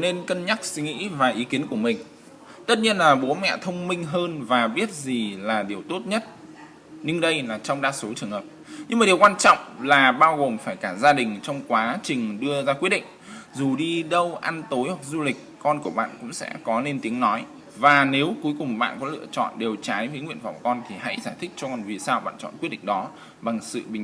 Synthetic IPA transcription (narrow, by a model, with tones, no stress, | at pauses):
ne˧nkə˧nɲa˦˥k̚si˨˦ŋḭ˧˥vaː˨˩ʔi˨˦ki˨˦ənku˧˩əmï˨˩ŋ̟ | t̪ə˦˥t̚ɲi˧ənlaː˨˩ɓo˨˦mɛ̰˧˨t̪ʰə˧wŋ͡mmï˧ŋ̟ɦəː˧nvaː˨˩ɓi˦˥ət̚zi˨˩laː˨˩ɗi˨˩əwt̪o˦˥t̚ɲə˦˥t̚ | ɲɨ˧ŋɗə˧jlaː˨˩t͡ɕɔ˧wŋ͡mɗaː˦˥so˨˦t͡ɕɨ˨˩əŋhəː˨˩p̚ɲɨ˧ŋmaː˨˩ɗi˨˩wkwaː˧nt͡ɕɔ̰˧˨wŋ͡mlaː˨˩ɓaː˧wɣo˨˩mfaː˧˩jkaː˧˩zaː˧ɗï˨˩ŋ̟t͡ɕɔ˧wŋ͡mkwaː˨˦t͡ɕï˨˩ŋ̟ɗɨ˧əzaː˧kwi˦˥əɗḭ̈˧˨ŋ̟zu˨˩ɗi˧ɗə˧wʔa˧nt̪o˨˦jhwa˨˩k̚zu˧lï˨˩k̟̚kɔ˧nku˧˩əɓa̰ː˧˨nkʊ̰˧˥ŋ͡msɛ̰˧˥kɔ˨˦le˧nt̪i˨˦əŋnɔ˨˦j | vaː˨˩ne˨˦wku˨˦jkʊ˨˩ŋ͡mɓa̰ː˧˨nkɔ˨˦lɨ̰˧˨ət͡ɕɔ̰˧˨nɗe˨˩wt͡ɕaː˨˦jvəː˨˦jŋwḭ˧˨ənva˨˧˩wŋ͡mkɔ˧nt̪ʰi˨˩ha̰˧˥jzaː˧˩jt̪ʰi˦˥k̚t͡ɕɔ˧kɔ˨˩nvi˨˩saː˧wɓa̰ː˧˨nt͡ɕɔ̰˧˨nkwt̚ɗḭ˧˨ŋ̟ɗɔ˨˦ | ɓa˨˩ŋsɨ̰˧˨ɓï˨ŋ